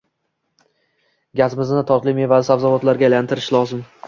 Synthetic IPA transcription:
ɡʲazɪmɪznɪt̪ʰɒt̪lˠɪme̞vazɪsavzavɒt̪laɾɡʲalant̪ɪɾɪʃlˠɒzɪm

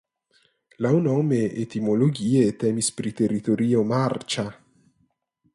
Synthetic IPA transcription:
lawnɔːmeet̪imoloɡiːet̪ɛːmispɾit̪erːit̪oɾiːomart͡ʃa

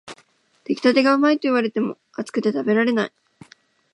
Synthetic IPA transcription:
t̪ekʲi̥t̪at̪e̞ɡaɯmait̪oiβaɾe̞t̪e̞mo̞̰ | at͡sɨ̥kɯ̟̥t̪e̞t̪abe̞ɾaɾe̞nai

